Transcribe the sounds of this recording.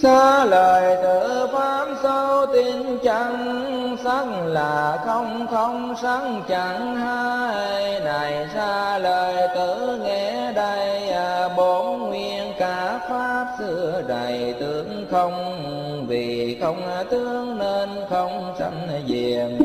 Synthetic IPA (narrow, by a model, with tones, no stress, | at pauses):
saː˧ləː˨˩jt̪ɨ˧˩faː˦˥p̚sa˧wt̪i˧˦ənt͡ɕa˧˨˦ŋ | sa˦˥ŋlaː˨˩xə˧wŋ͡mxə˧wŋ͡msa˧˦˥ŋt͡ɕa˧˨˦ŋ | haː˧jjna˨˩jsaː˧ləː˨˩jt̪ɨ˧˩ŋɛ˧˩ɗə˧jə˧˩ɓo˨˦nŋwi˧ənkaː˨˦faː˦˥p̚sɨ˧˩əɗa˨˩jt̪ɨ˨˦əŋxə˧wŋ͡m | vi˨˩xə˧wŋ͡mt̪ɨ˧˦əŋne˧nxə˧wŋ͡msa̰˧˥ŋ̟zi˨˩əŋ